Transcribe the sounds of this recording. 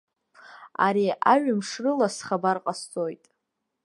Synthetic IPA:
a̰ɾiʔaɥamʂrɨlasχabarqʼast͡sʼojtʼ

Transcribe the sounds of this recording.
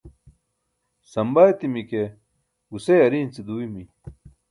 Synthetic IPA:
sɐmbajt̪imike | ɡusejɐɾiːnt͡sid̪uwimi

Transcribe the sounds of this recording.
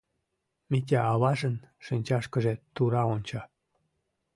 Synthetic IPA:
mit̬ʲæɑβɑʒənʃinʲt͡ɕɑʃkəʒet̪uɾɑonʲt͡ɕɑ

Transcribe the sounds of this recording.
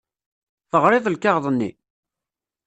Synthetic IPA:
θəʁɾˤɪðˤəlkɑʁðˤənːḭ

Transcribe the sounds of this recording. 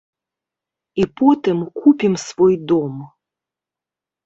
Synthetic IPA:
ipɔt̪ɨmkupʲimsvɔjd̪ɔm

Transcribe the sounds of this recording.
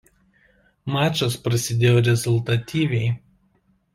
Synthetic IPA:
mɑːt͡ʃʲospɾɐsʲɪd̪ʲeːjoːɾʲɛzʊlˠʲt̪ɐt̪ʲiːʋʲɛɪ

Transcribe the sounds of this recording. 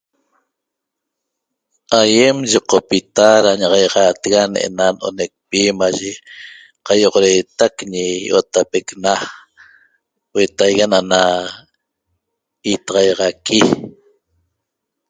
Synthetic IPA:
ajemʒiqopit̪aɾaɲaʁɑjʁɑːt̪eɣanʔḛnanʔo̰nek̚pimaʒe | qɑjoʁoɾe̞ːt̪akɲijo̰t̪apekna | wet̪ajɣanana | it̪ɑʁɑjʁɑki

